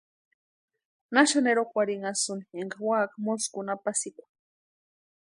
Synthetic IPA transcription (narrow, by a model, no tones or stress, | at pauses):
naʃaneɾokʷaɾiŋasunieŋɡawakmoskunapasikʷḁ